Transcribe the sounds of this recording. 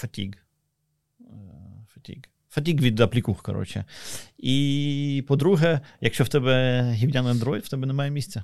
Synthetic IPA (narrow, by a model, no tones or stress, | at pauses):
fɐtʲḭɡ | fɐ̥tʲḭɡ | fɐtʲiɡʋʲid̪ɐplʲikuxkɐ̰ɾɔ̰t͡ʃɛ̰ipɔd̪ɾuɦɛjɐkʃt͡ʃɔwt̪ɛbɛɦʲimdʲanɐnd̪ɾɔit̪w̥t̪ɛbɛnɛmɑjɛmʲisʲt͡sʲːɛ